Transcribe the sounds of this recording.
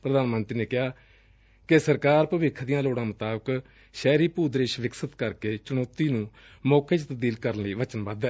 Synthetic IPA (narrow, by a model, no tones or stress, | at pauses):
pɾəd̪aːnmənt̪ɾiːneːkɪɦaː | kesəɾkaːɾpəʋɪkʰːd̪ijãːloːɽãːmət̪aːbək | ʃɛːɾiːpuːd̪ɾeːʃʋɪksət̪kəɾkeːt͡ʃʊnɔːt̪iːnũː | mɔːkeːt͡ʃt̪əbd̪iːlkəɾənləiːʋət͡ʃənbəd̪ɛː